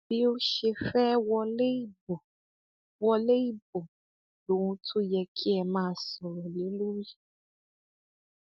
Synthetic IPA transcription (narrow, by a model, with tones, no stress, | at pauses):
bi˦o˦ʃe˧fɛ˦wɔ˧le˦i˦˨bo˨ | wɔ˧le˦i˦˨bo˨ | lo˨wũ˧tʰu˦jɛ˧kʰi˦ɛ˧˨mãː˧˦˧sɔ˨ɾɔ˨li˨˦lu˦ɾi˦